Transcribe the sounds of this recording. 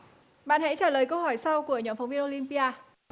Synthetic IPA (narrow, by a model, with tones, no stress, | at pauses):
ɓa̰ː˧˨nha̰˧˥t͡ɕaː˧˩ləː˨˩jkə˧whɔ˧˩jsa˧wku˧˩əɲɔ˨˦mfa˨˦wŋ͡mvi˧ənʔo˧li˧mpi˧ʔaː˧